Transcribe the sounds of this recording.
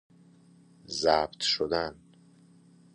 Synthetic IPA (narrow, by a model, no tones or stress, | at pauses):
zæbt̪ʰʃod̪æn